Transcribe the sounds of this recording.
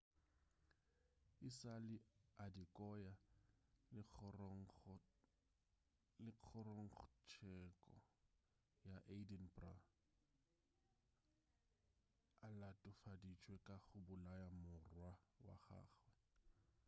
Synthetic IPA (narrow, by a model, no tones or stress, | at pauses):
ɪsalɪadikʼɔja | ɪq͡χʰɔrɔŋ̩χt͡ʃʰɛkʼɔ̰ | jaʔedinbra | alatʼʊfadit͡ʃʼwekʼaχʊbʊlajamʊrwawa̰χa̰ːχwɛ